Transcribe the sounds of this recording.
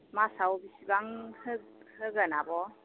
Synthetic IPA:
masawbisiɡaŋhɯhɯɡənabɔ

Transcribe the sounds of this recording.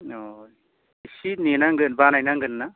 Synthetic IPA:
oj | sininaŋɡɯnbanajnaŋɡɯnːa

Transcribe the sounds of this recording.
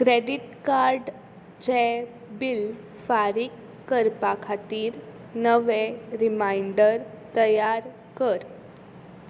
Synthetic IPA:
kɾeɖiʈkaɾɖ | d͡ʑe | bil | faɾikː | əɾpakʰat̪iːɾ | nəʋeɾimajɳɖəɾ | t̪əjaɾ | kəɾ

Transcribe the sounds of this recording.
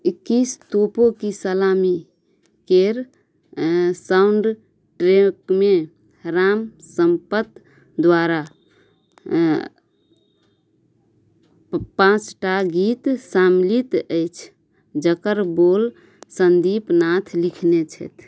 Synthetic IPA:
ikːist̪opokisəlami | keɾ | sauɳɖ | ʈɾekme | ɾamsəmpət̪ | d̪waɾa | pãt͡ʃʈaɡit̪samlit̪əɪt͡ʃʰ | d͡ʒəkəɾbol | sənd̪ipnat̪ʰlikʰnet͡ʃʰɛ̰t̪ʰ

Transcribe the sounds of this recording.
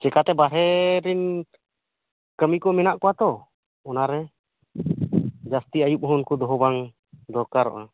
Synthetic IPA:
t͡ʃɛkat̪ɛbaɦɛɾin | kəmikɔmɛnaʔkɔwat̪ɔ | ɔnaɾɛ | d͡ʒast̪iajup̚ɦɔnkɔd̪ɔɦɔbaŋ | d̪ɔɾkaɾɔ̰ʔa

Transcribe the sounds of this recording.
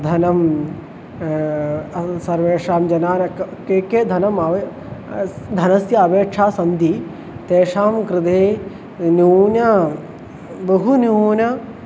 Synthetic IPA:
d̪ʱɐnɐm | sɐɾʋeːʂaːmd͡ʒɐnaːnɐkkeːkeːd̪ʱɐnɐmɐʋ | d̪ʱɐnɐsjɐːʋeːʂʰaːsɐnd̪i | t̪eːʂaːmkɾɪt̪eː | njuːnjɐ | bɐɦunuːnɐ

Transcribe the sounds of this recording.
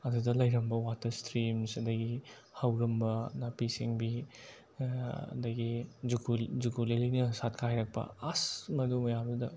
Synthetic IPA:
ɐdudɐlɐjɾɐmbɐwatɐstʰɾimsɐdɐɡi | hawɾɐmbɐnapisiŋbi | ɐ̰dɐɡid͡ʒuɡuzuɡulelinɐsat̚kʰajɾɐk̚pɐ̰asmɐdumɐjamdudɐ

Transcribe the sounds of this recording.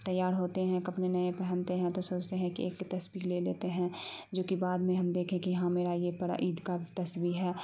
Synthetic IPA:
t̪ɐjaːɾɦoːt̪eɦɛ̃kɐpnenɐẽpɛɦɛ̃nt̪eɦɛ̃t̪osoːt͡ʃt̪eɦɛ̃kḭeːkːt̪ɐsbileːleːt̪eɦɛ̃d͡ʒoːkibaːd̪mẽɦɐmd̪eːkʰẽkijɐɦãmeːɾajebɐɽa̰ʔiːd̪kat̪ɐswiɦɛː

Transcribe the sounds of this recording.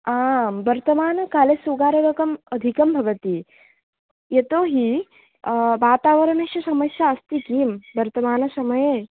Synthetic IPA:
aːmbɐɾt̪ɐmaːnɐkaːlesuɡaːɾɐʋɐkɐmɐd̪ʱikɐmbʱɐʋɐt̪i | jet̪oːɦi | ʋaːt̪aːʋɐɾɐɳɐʃjɐsɐmɐsjaɐst̪ikiːmbɐɾt̪ɐmaːnɐsɐmɐje

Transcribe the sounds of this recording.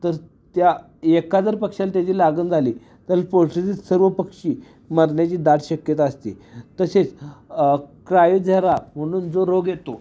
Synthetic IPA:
t̪əɾ | t̪ja | ekad͡zəɾpəkʂalt̪jat͡ɕiːlaɡənd͡zʱaliː | t̪əpoɾʂit͡sisəɾʋəpəkʂiː | məɾɳjat͡ɕiːd̪aʈɕəkjət̪aəst̪ḭt̪əset͡s | kɾajud͡zʱaɾam̤əɽ̃uːnd͡zoɾoɡjet̪o

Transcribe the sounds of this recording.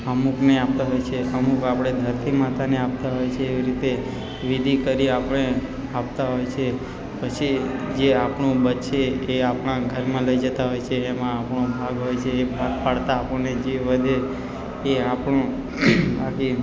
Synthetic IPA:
əmukneapt̪aɦojt͡ʃʰeəmukapɽ̃ed̪ʱəɾt̪ʰimat̪ʰaneap̚t̪aɦojt͡ʃʰeːʋiɾit̪e | ʋid̪ʱikəɾiapəɳ̃e | apt̪aɦojt͡ʃʰe | pət͡ʃʰid͡ʒeapɳũbətʃʰeːapɽ̃ãɡʱəɾmãləid͡ʒət̪aɦojt͡ʃʰeːmãapɳ̃obʱaɡɦojt͡ʃʰeːbʱaɡpaɽt̪aːpəɳned͡ʒeʋəd̪ʱe | eapɳũ | baki

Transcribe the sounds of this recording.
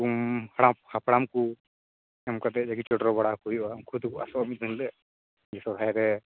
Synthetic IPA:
umhaɽaphapɽamku | ɛmkat̪ɛd͡ʒaɡit͡ʃɔʈɾɔbaɽakuiamkʰud̪kua̰sɔamiinlɛ | d͡ʒɛsɔɾʱajɾɛ

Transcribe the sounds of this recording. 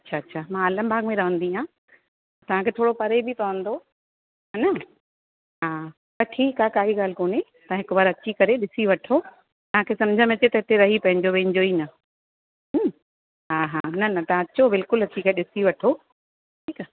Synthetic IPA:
ɐtːɕʰaɐtːɕʰamãɐlɐ̃bʱaːɡmẽɾɐʋə̃nd̪iãː | t̪ɐʋ̤ãkʰeːt̪ʰoːɽopɐɾebʱit̪ɐʋə̃nd̪o | nɐ | ɦaː | pɐʈʰiːkakaːɦiɡaːl̤koːnet̪ɐãɦɪkʊʋaːɾɐt͡ɕikɐɾeɗɪsiʋɐʈʰo | t̪ɐʋ̤ãkʰesɐ̃md͡ʑʱə̃mɐ̃tet̪ɐɦɪt̪eɾɐɦipɐ̃ɦɪ̃ɲd͡ʑoʋẽɦɪ̃ɲd͡ʑoiːnɐ | ɦ | ɦaːɦanɐnɐt̪ɐãɐt͡ɕobɪlkʊlɐt͡ɕikɐɾeɗɪsiʋɐʈʰo | ʈʰiːka

